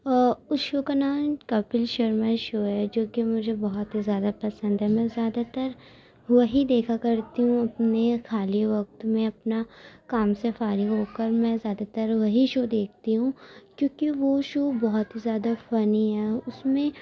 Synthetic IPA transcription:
ʊsʃokanaːmkɐpɪlʃɐɾmẽʃoːɦɛd͡ʒoːkimʊd͡ʒʱebɔɦɔt̪izjaːd̪apɐsə̃nd̪ɦɛmɛ̃zjaːd̪at̪ɐɾ | ʋɐɦid̪eːkʰakɐɾt̪iɦũɐpnexʰaːliʋɐk̚t̪mẽɐpnakaːmsefaːɾiɡɦoːkɐɾmɛ̃zjaːd̪at̪ɐɾʋɐɦiʃoːd̪eːk̚ʰt̪iɦũkjõːkiʋoʃoːbɔɦɔt̪ɦizjaːd̪afɐniɦɛːʊsmẽ

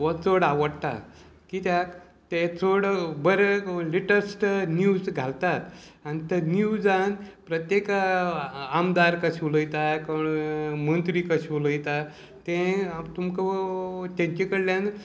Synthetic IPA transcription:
ʋət͡soɽaʋəɽt̪a̰ | kit̪jak | t̪et͡soɽbəɾeliʈəɾsʈnjud͡zɡʱalt̪at̪anit̪ənud͡zanpɾət̪jek | amd̪aɾkəɕuləjt̪akəɳmənt̪ɾikəɕuləjt̪a | t̪ẽt̪umkət̪ãɲt͡ɕekəɽljãn

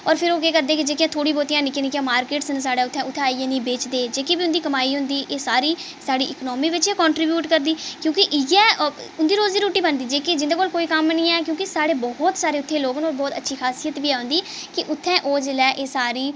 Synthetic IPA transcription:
ɔːɾpʰɪɾoːkeːkəɾd̪eːkɪd͡ʒeːkjãːt̪ʰoːɽiːboːt̪ijãːnɪkenɪkjãːmaːɾkeːʈsəns̬aːɽẽːʊt̪ʰːɛ̃ːʊt̪ʰːẽːiːɛ̃ːnĩːbeːt͡ʃd̪eːd͡ʒeːkibiːʊnd̪iːkəmaːiːɦʊ̃nd̪iːʔeːsaːɾiː | saːɽiːʔɪknɔːmiːʋɪt͡ʃeːkɔ̃ːɳʈɾiːbjuːʈkəɾd̪iːkjõːkɪʔɪjɛ̃ːʊnd̪iːɾoːzd̪iːɾuːʈiːbənd̪iːd͡ʒeːkɪd͡ʒɪ̃nd̪eːkoːlkoːiːkəmnĩːɛːkjõːkɪsaːɽeːbɔɦɔt̪saːɾeːʊt̪ʰːẽːloːɡnoːlbɔːt̪ətːʃʰiːkʰaːsijət̪ʋiːɛːɦʊ̃nd̪iːkɪʔʊt̪ʰːɛ̃ːʔoːd͡ʒlɛːʔeːsaːɾiː

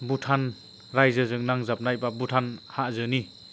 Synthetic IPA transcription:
butʰan | ɾajzɯzɯŋnaŋzap̚najbabutʰanhaʔzɯni

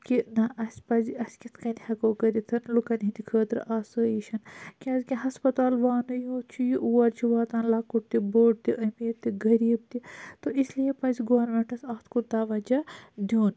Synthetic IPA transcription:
kinɐʔɐsʲpɐziɐsʲkʲit̪ʰkɐnd̪ʲihɐkoːkɐɾit̪ʰɐnlukɐnʲɦind̪ʲikʰəːt̪ɾ̰ʔaːsəːjiʃɐnkʲɐzkʲiɦɐspɐt̪aːlʋaːnɨjõːt͡ʃʰujiʔuwɐɾt͡ʃʰiʋaːt̪anlɐkuʈ̚t̪iboːʈ̚t̪iʔɐmiːɾt̪iɡɐɾiːb̚t̪it̪oʔislijepɐziɡoʋɐɾnmeɳʈɐsɐːt̪ʰkuɾd̪ɐʋɐd͡ʒɐd̪ʲoːn

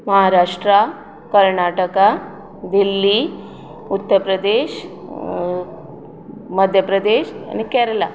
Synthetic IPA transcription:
məɦaɾaʂʈɾa | kəɾɳaʈəka | d̪ilːi | ut̪ːəɾpɾəd̪eɕ | məd̪ʱjəpɾəd̪eɕa̰nikɛɾla

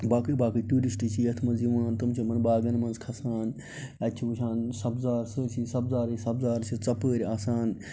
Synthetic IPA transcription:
baːkiːbaːkiʈuːɾisʈit͡ʃʰiːɐt̪ʰmɐnziʋaːnt̪ɐmt͡ʃʰɐmɐnbaːɡɐnmɐnzkʰɐsaːn | ɐt͡ʃʰiʋuʃʰaːnsɐbzaːɾsəːsiːsɐbzaːɾisɐbzaːɾt͡ʃʰɐt͡sɐpəːɾʲaːsaːn

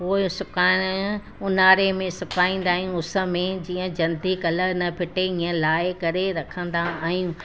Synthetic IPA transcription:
oːsʊkaːɪɽ̃ | ʊnaːɾemẽsʊkaːĩːn̆d̪aːɦijũʊsə̆mẽd͡ʑiːə̃d͡ʑɐnd̪ikɐləɾnɐpʰɪʈeĩːə̃laːɪkɐɾeɾɐkʰə̃nd̪aaːɦjũː

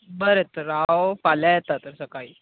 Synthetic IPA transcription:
bəɾet̪əɾːawfaljajet̪at̪əɾsəkaiː

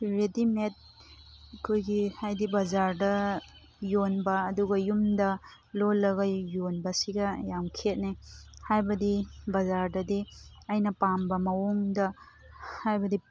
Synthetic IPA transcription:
ɾedimet̚ | ɐkʰojɡihajdibɐzaɾdɐ | jonbɐːduɡɐjumdɐ | lolːɐɣɐjonbɐsiɡɐjaŋkʰet̚nihajbɐdibɐzaɾdɐdiɐjnɐpambɐmɐwoŋdɐ | hajbɐdi

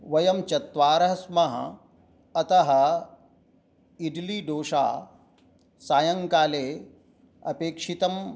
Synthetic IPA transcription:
ʋɐjɐmt͡ʃɐt̪ʋaːɾɐɦɐsmɐɦɐ̰ | ɐt̪ɐɦɐ̆ | iɖliɖoːʃa̰ː | saːjɐŋkaːleː | ɐ̰peːkʂit̪ɐm

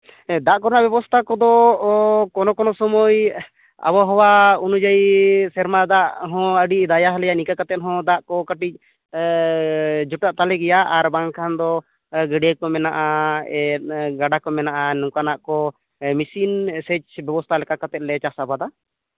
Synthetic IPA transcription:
d̪aʔkɔɾnaʔbjɛbɔst̪ʰakɔd̪ɔ | kɔnɔkɔnɔsɔmɔj | a̰bɔɦɔwaunud͡ʒaisɛɾmad̪aʔɦɔ̃əɖiʔd̪ajaɦlɛjaʔnikakat̪ɛt̪̚ɦɔ̃d̪aʔkɔkəʈic̚ˀ | d͡ʒuʈaʔt̪alɛɡɛjaʔaɾbaŋkʰand̪ɔ | ɡəɖekɔmɛnaʔaɛɡaɖakɔmɛnaʔanũkanaʔkɔ | misinsɛt͡ʃbjɛbɔst̪ʰalɛkakat̪ɛt̪̚lɛt͡ʃasabad̪a

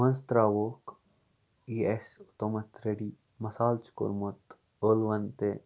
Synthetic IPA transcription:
mɐnst̪ɾaːʋoːk | iːesut̪omɐt̪ɾeɖiː | mɐsaːlt͡ʃko̰ɾmot̪ | oːlʋɐnt̪e

